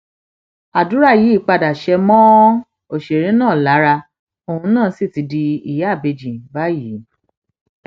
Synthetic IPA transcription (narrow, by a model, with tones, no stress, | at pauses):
a˨du˨˦ɾa˦˨ji˨˦i˦˨k͡pa˧da˨ʃɛ˧mɔ̃˦ | o˨ʃe˨ɾĩ˨˦nãː˦˨la˨˦ɾa˧ | o˧hũ˧nãː˦˨˦si˦˨ti˨˧di˧i˨ja˨˦˨be˧d͡ʒĩ˨ba˦ji˨˦u˦